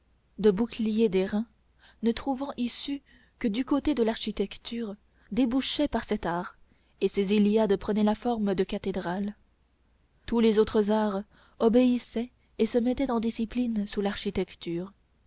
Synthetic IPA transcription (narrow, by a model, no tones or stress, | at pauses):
d̪əbuklijed̪eʁɛ̃ | nət̪χuvɑ̃ʔisy | kəd̪ykot̪ed̪əlaʁʃit̪ɛkt̪ʰyːʁ | d̪ebuʃɛpaʁsɛt̪aːʁ | esezelijad̪pχənɛlafɔʁməd̪əkat̪ed̪ʁal | t̪ulezot̪χəzaʁ | ɔbeisɛ | esəmɛt̪ɛt̪ɑ̃d̪isiplinsulaʁʃit̪ɛkt̪yːʁ